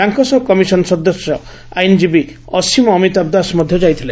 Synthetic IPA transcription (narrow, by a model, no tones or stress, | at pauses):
aŋkɔsɔkɔmisɔnsɔd̪ɔsjɔ | ajnd͡ʒibi | ɔsimɔːmit̪ab̚d̪asmɔd̪ʱjɔd͡ʒajt̪ʰile